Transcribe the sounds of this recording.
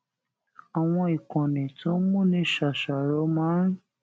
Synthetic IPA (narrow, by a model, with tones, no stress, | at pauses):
a˨w̃ɔ̃˧i˨kɔ̃˨nĩ˨tõ˦mũ˦˨nĩ˧˦ʃa˨ʃa˨ɾɔ˧˦mã˨˦